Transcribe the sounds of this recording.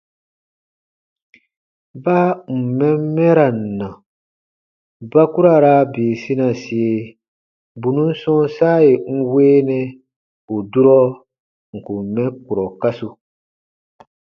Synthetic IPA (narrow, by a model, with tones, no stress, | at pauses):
ba˦m̩˨mɛ̃˦mɛ˦ɾa˨n̩˨nã˨ | ba˦ku˦ɾa˨ɾaː˦beː˨si˦na˨si˨e˨ | bu˨nũ˦n̩˦sɔ̃˦saː˦e˨ŋ̩˦weː˦nɛ˦ | u˨du˦ɾɔ˦ | ŋ̩˨ku˨m̩˨mɛ̃˦ku˨ɾɔ˨ka˦su˨